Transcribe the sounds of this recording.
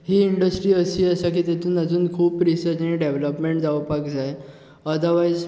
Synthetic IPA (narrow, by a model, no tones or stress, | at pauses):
ɦiiɳɖəsʈɾiːəsiːəsak̬iːt̪et̪uːnəd͡zuːnkʰuːpɾisəɾt͡ɕəiɖeʋləpmẽɳʈd͡zaʋəpakd͡zaj | əd̪əɾʋajd͡z